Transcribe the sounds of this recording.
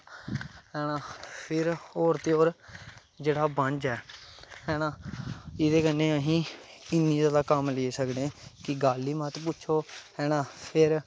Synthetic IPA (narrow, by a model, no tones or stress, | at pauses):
ɦɛːnãːpʰɪɾoːɾt̪eːoːɾ | d͡ʒeːɽaːbənd͡ʒɛːhɛːnãːɪd̪eːkənːeːəɦĩːɪnːĩːzaːd̪aːkəmleːsəkd̪ẽːkɪɡaːlːiːmət̪pʊt͡ʃʰoːɦɛːɽãːpʰɪɾ